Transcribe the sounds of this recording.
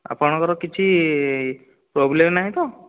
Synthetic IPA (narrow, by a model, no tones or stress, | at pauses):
a̰pɔɽ̃ɔkɔɾɔkit͡ʃʰi | pɾoblemnaɦĩt̪ɔ